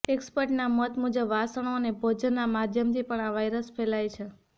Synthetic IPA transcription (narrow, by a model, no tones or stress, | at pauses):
ekspəɾʈnamət̪mud͡ʒəbʋasəɳ̃onebʱod͡ʒnːamad̪ʱjəmt̪ʰipəɳaʋajɾəsfʰelajt͡ʃʰe